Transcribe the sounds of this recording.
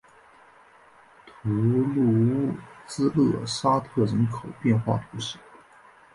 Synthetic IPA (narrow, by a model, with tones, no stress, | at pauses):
t̪ʰu˧˥lu˥˧t͡sɹ̩˥lɤ˥˩sa˥t̪ʰɤ˥˩ɻə˧˥nkʰo˨˩ʊpjɛ˥˧nxwa̰˥˩t̪ʰu˧˥ɕi˧˥˦